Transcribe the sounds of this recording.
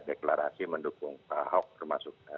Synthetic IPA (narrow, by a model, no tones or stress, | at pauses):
deklaɾasiməndukʊŋpahɔk̚t̪ərmasʊk̚a